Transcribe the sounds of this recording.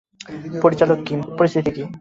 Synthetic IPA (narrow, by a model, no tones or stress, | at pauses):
poɾit͡ɕalokːimpoɾist̪ʰit̪ʰikim